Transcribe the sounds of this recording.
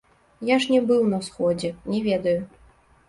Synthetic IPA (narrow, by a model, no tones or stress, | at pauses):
jaʂnʲɛbɨwnɐsxɔd͡zʲɛnʲɛvʲɛd̪ɐju